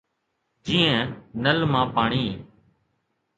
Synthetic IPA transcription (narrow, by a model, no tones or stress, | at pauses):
d͡ʒĩːə̃nəlmãːpaːɳiː